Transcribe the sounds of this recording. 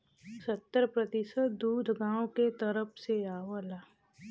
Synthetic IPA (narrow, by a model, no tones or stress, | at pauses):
sət̪ːəɾpɾət̪ɪsət̪d̪uːd̪ʱɡãːõket̪əɾəpseaːwəlaː